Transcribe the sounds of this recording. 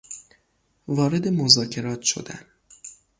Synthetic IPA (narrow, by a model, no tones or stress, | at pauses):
vɒːɾe̞d̪e̞mo̞zɒːcʰe̞ɾɒːt̪ʰʃo̞̰d̪æ̰n